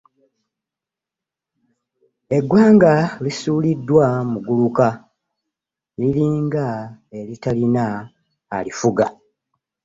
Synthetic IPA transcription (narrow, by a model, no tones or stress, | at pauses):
e̞ɡwaːŋɡalisuːlidːwamuɡuluka | liliːŋɡae̞litalinaː | lifuɡa